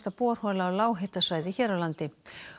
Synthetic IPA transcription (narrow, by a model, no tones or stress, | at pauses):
t̪apɔːɾ̥hɔːlaːwlaːwɦet̪asvaːjðɪçɛːɾawlant̪ɪ